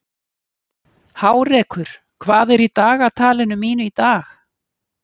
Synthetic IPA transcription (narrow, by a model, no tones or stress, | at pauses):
haːwɾɛːkʰʏɾ̥ | kʰvaːðɛɾit̪aːɣat̪ʰaːlɪnʏmːiːnʏit̪aːx